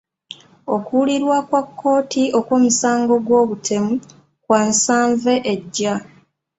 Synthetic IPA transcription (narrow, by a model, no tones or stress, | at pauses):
o̞kuliɾwakwakʰːo̞ːtʰio̞kwoːmusaːŋɡo̞ɡwo̞ːβutʰe̞mu | kwansaːɱve̞ʔeɟːa